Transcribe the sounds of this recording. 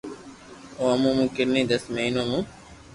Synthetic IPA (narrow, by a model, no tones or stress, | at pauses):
oːmũːmũːkɪɾnĩːd̪əsmeiːnõːmũː